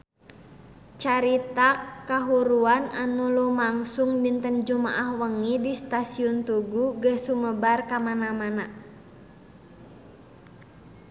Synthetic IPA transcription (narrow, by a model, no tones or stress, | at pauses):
t͡ʃaɾit̪akaɦuɾuananulumaŋsuŋbint̪ənd͡ʒuma̰ʔahwəŋidist̪asiɔnt̪uɡuɡəsuməbarkamanamana